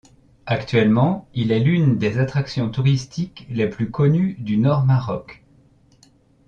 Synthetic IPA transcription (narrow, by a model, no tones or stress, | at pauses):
akt̪ɥɛlmɑ̃ilɛlynd̪ezat̪χaksjɔ̃t̪uʁist̪ʰikleplykɔnyd̪ynɔʁmaʁɔk